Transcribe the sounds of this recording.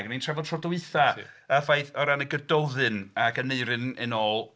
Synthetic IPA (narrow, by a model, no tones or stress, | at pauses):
ɡənintʰr̥ɛvɔdtʰrɔdɔwɨθaəfajθɔɾanəɡədɔðɨnakəneɨɾɨnɨnoːlˠ